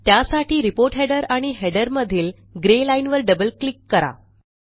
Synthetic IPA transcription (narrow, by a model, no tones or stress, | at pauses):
t̪jasaʈʰiːɾipoɾʈɦɛɖəɾaɽ̃iɦɛɖəɾməd̪ʱiːl | ɡɾelainʋəɾɖəbəlklikːəɾa̰